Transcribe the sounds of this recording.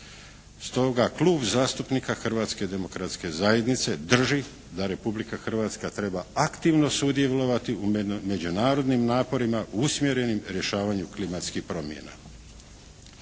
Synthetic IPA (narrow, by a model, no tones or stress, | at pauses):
st̪o̞ɡaklˠuːbzaːst̪upnikaxr̩ʋaːt̪ske̞d̪e̞mo̞kɾat̪ske̞zaje̞d̪nit̪se̞d̪r̩ʒi | d̪aɾe̞publikaxr̩ʋaːt̪skat̪ɾe̞baakt̪iʋno̞sud̪je̞lo̞ʋat̪iume̞d͡ʑunaːɾo̞d̪nimnaːpo̞ɾimaʔuusmje̞ɾe̞nimɾje̞ʃaːʋaɲuklimat̪skixpɾo̞mjḛna̰